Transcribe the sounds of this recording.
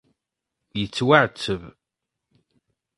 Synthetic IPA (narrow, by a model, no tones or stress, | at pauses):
jət͡sːwaʕt͡sːəv